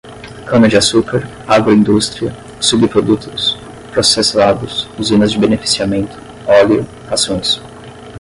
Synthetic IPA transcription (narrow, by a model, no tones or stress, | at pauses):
kɐ̃mɐd͡ʒɪasukaɾ | aɡɾʊĩnd̪ust̪ɾiɐ | subɪpɾod̪ut̪ʰʊ̥s | pɾosesad̪ʊsuzĩnɐzd͡ʒɪbenefi̥siamẽnt̪ʰʊ̥ | ɔljʊ | hasõj̃s